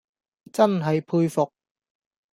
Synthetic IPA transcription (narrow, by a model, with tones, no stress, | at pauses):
t͡sɐ˥nɦɐ˨jpʰuː˧jfʊ˨k̚